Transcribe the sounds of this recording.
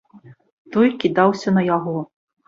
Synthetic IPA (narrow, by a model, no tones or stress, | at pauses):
t̪ɔjkʲid̪awsʲɐnɐjaɣɔ